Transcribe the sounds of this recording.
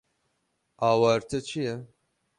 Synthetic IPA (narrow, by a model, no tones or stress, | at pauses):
aːwɑːɾt̪ʰɨt͡ʃʰijɛ